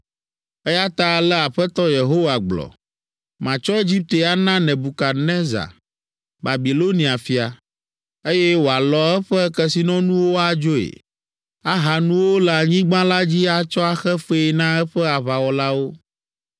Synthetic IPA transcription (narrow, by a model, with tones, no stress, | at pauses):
ɛ˦ja˦t̪a˦lɛ˦a˨ɸɛ˦t̪ɔ˦je˨ɦo˦wa˨ɡ͡blɔ̰˨ | mã˨t͡ʃɔ˦e˦d͡ʑi˦p̚t̪e˨a˦nã˦nɛ̃˨bu˨ka˨nɛ̃˦za̰˨ | ba˨bi˨lo˦nĩ˨a˨fi˨a˨ | e˦jɛ˦wo˨a˨lɔ˨ɛ˦ɸɛ˦kɛ˦si˨nɔ̃˦nũ˦wo˦a˨d͡ʒo˦ḛ˨ | a˦ɦa˨nũ˦wo˦la˨ɲĩ˦ɡ͡bã˦la˦d͡ʑi˦a˦t͡ʃɔ˦a˦xɛ˦ɸe˦˨nã˦ɛ˦ɸɛ˦a˨βa˨wɔ˨la˦wo˦